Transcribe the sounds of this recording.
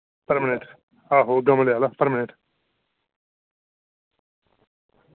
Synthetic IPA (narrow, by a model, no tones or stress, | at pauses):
pəɾmɪnɪʈ | aːɦoːɡɐməlejaːlapəɾmɪnɪʈ